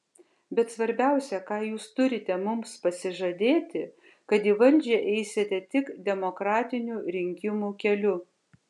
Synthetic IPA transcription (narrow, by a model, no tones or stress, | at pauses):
bʲɛt̪sʋɐɾʲbʲæˑʊsʲɛkɑːjuːst̪ʊɾʲɪt̪ʲɛmʊmspɐsʲɪʒɐd̪ʲeːt̪ʲɪ | kɐt̪iːʋɐlʲd͡ʒʲɛʔɛɪsʲet̪ʲɛt̪ʲɪkd̪ʲɛmokɾɑːt̪ʲɪnʲuɾʲɪŋʲkʲɪmuːkʲɛlʲʊ